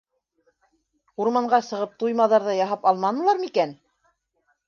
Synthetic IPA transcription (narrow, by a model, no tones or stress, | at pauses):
uɾmɑɴɢɑsɤ̆ʁɤp̚t̪ujmɑðɑɾðɑjɑɦɑpɑlˠmɑnɤ̆lˠɑɾmikæn